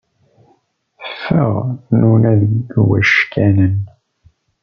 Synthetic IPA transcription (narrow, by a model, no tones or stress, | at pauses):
θəfːəʁnunæðɡɡwæʃkænən